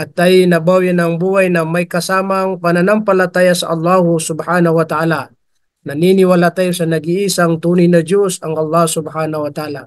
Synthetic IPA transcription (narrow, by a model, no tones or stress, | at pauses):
ʔɐt̪̚ːɐjnɐbawjɪnɐŋbuːhajnɐmɐjkɐsaːmɐŋpɐnɐnampɐlɐt̪aːjasɐ̰ʔɐlˠːɑhʊsʊbhaːnɐwɐt̪aʔaːla | nɐninɪwalat̪ajosɐnɐɡiʔiːsaŋt̪uːnɪjnɐd̪josɐŋɐlˠːɑhsʊbhanɐwɐt̪aʔaːla